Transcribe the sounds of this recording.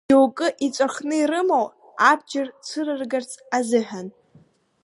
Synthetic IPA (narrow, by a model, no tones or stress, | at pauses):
ewkʼɨʔit͡sʷʼarχnɨiɾɨmow | abd͡ʒɪrt͡sʷʰɨrɨrɡart͡sʼazɨħᶣan